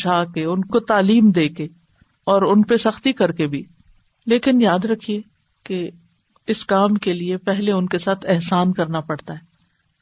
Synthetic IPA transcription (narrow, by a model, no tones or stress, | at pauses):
aːkeʊnkot̪aːliːmd̪eːke | ɔːɾʊnpesɐxt̪ikɐɾkebʱi | leːkɪnjaːd̪ɾɐkʰie | ke | ɪskaːmkeliepɛɦleʊnkesaːt̪ʰɛɦsaːnkɐɾnapɐɽt̪aɦɛː